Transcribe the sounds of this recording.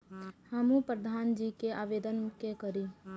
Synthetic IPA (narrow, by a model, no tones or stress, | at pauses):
həmũpɾəd̪ʱaːnd͡ʒikeʔaːʋed̪ənkekəɾi